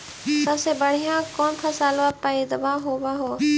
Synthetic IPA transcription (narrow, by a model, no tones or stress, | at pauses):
səbseːbəɽ̤ijãːkoːnpʰəsaːlʋaːpaːid̪əbaːɦoːbaːɦoː